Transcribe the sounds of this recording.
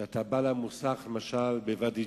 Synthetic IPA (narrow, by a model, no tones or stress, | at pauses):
at̪abalamusaχlemaʃalbevad̪i